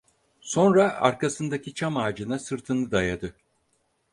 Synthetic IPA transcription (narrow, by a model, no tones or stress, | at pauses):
so̞nɾaa̰ɾkʰasɯnd̪acʰit͡ʃʰamaːd͡ʒɯnasɯɾt̪ʰɯnɯd̪ajad̪ɯ